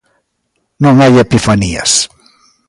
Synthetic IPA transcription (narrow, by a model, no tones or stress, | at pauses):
nõŋajepifaniɐ̰s